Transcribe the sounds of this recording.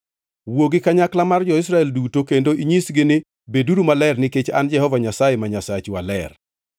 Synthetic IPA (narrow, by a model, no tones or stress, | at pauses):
woɡɪkaɲaklamard͡ʒɔɪs̬ɾaɛldutokendoʔiɲisɡɪnɪ | beduɾumalɛrnɪket͡ʃa̰nd͡ʒɛhɔvaɲasajemaɲasat͡ʃwalɛr